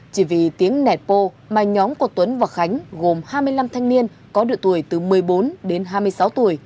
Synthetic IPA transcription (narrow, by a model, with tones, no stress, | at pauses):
t͡ɕi˧˩vi˨˩t̪i˨˦əŋnɛ˨˩t̚po˧ | maː˨˩ɲɔ˨˦mku˧˩ət̪wə˨˦nvaː˨˩xa˨˦jŋ̟ɣo˨˩mhaː˧jmɨ˧əjla˧mt̪ʰa˧jŋ̟ni˧ən | kɔ˨˦ɗɨ̰˧˨ət̪u˧˩əjt̪ɨ˨˩mɨ˨˩əjɓo˨˦nɗe˨˦nɦaː˧mɨ˧əjsa˨˦wt̪u˧˩əj